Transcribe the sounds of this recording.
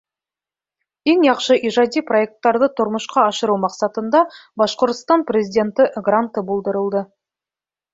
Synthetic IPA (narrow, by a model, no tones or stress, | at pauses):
e̞ŋjɑqʃəʔiʒɑd̪ijpro̞e̞k̚t̪ːɑɾd̪ət̪ʰʊɾməʃqɑɑʃəɾumɑqsɑt̪ənd̪ɑbɑʃqo̞ɾt̪ə̥st̪ɑnprʲe̞zʲijd̪ʲe̞nt̪ɪɡrant̪ːəbolˠd̪əɾəlˠd̪ə